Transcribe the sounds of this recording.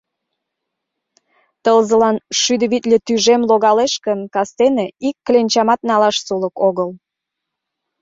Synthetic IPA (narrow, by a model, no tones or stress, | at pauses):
t̪əlzə̆lɑnʃyd̪əβit̪lʲet̪yʒemloɣɑleʃkəmkɑst̪eneikːlenʲt͡ɕɑmɑt̪nɑlɑʃsuləkoɣəl